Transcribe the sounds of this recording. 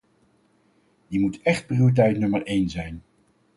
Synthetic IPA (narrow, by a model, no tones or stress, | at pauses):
dimutɛχt̚priuit̬ɛjtnɵməɹejnzɛjn